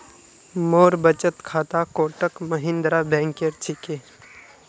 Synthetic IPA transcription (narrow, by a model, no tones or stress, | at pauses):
moːɾbət͡ʃət̪kʰaːt̪akoːʈəkməɦɪ̃nd̪ɾabɛ̃ːŋkeɾt͡ʃʰikeː